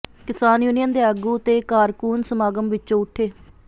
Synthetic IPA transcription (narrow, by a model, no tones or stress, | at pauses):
kɪsaːnjuːnɪjənd̪eːəɡuːt̪eːkaːɾkuːnsəmaːɡəmʋɪt͡ʃːõːʊʈʰːeː